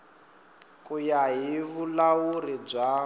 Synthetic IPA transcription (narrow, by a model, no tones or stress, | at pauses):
kʼujaɦiβulaurib͡ʐʷa